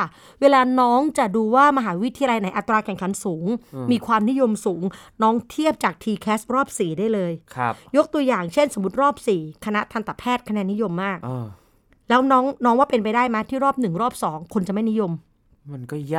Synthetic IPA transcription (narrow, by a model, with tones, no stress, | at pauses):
weː˧laː˧nɔː˦˥ŋt͡ɕa˨˩duː˧waː˥˩ma˧ɦaː˩˦wi˦˥t̪ʰi˧a˧la˧jna˩˦jʔa˨˩t̪ɾaː˧kʰɛ˨˩ŋkʰa˩˦nsuː˩˦ŋmiː˧kʰwaː˧mni˦˥jo˧msuː˩˦ŋnɔː˦˥ŋt̪ʰi˥˩əp̚t͡ɕaː˨˩k̚t̪ʰiː˧kʰɛː˦˥s̚ɾɔː˥˩p̚siː˨˩daː˥˩jlɤː˧jkʰjo˦˥k̚t̪u˧ɐjaː˨˩ŋt͡ɕʰe˥˩nso˩˦mu˦˥t̪̚ɾɔː˥˩p̚siː˨˩kʰa˧na˦˥t̪ʰa˧nt̪a˨˩pʰɛː˥˩t̪̚kʰa˧nɛː˧nːi˦˥jo˧mːaː˥˩k̚ː | lɛː˦˥wnɔː˦˥ŋnɔː˦˥ŋwaː˥˩pe˧np̬a˧jdaː˥˩jma˦˥t̪ʰiː˥˩ɾɔː˥˩p̚nɯ˨˩ŋɾɔː˥˩p̚sɔː˩˦ŋkʰo˧nt͡ɕa˨˩ma˥˩jni˦˥jo˧m | ma˧nkɔ˥˩j